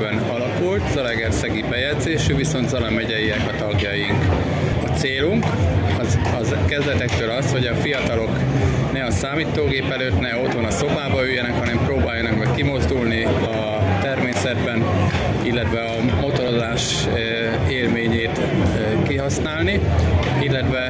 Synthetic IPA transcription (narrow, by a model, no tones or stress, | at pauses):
bɛnɒlɒkult̪zɒlɛɡɛrsɛɡibɛjɛdzeːʃyviso̞nt̪zɒlɒmɛɟɛjiɛkɒt̪ɒɡjɒjiŋk | ɒt̪seːluŋkɒzɒzkɛzd̪ɛt̪ɛkt̪øːlɒsho̞ɟɒfijɒt̪ɒlo̞k | nɛɒnsaːmiːt̪oːɡeːpɛløːt̪nɛo̞t̪honɒso̞baːbɒyjːɛnɛkhɒnɛmproːbaːjɒnɒkmɛckimo̞zd̪ulniɒ | t̪ɛrmeːsɛd̪bɛn | ilːɛt̪vɛɒmo̞t̪o̞ɾo̞zaːʃ | eːlmeːɲeːt̪ | kiɦɒsnaːlni | ilːɛt̪ʋɛ